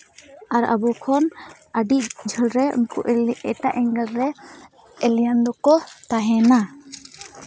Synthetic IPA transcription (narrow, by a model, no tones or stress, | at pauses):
aɾa̰bɔkʰɔn | aɖiʔd͡ʒʱəlɾɛṵnkɔ̰ʔɛʈa̰ʔɛŋɡəɾːɛ | ɛljand̪ɔkɔt̪aɦɛna